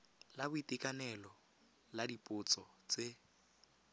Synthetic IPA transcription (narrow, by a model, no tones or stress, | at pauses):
labʊitʼikʼanɛlɔ | ladipʼʊt͡sʼɔt͡se